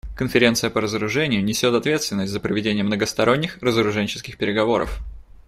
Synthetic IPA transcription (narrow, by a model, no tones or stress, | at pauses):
kənfʲɪɾʲe̞nt̪sɨjəpəɾəzəɾʊʐɛnʲɪjʊnʲɪsʲo̞t̪ɐt̪vʲe̞t̪st̪vʲɪnːəsʲtʲzəpɾəvʲɪdʲenʲɪjəmnəɡəst̪ɐɾo̞nʲːɪxrəzəɾʊʐɛnʲt͡ɕɪ̥skʲɪxpʲɪɾʲɪɡɐvo̞ɾə̰f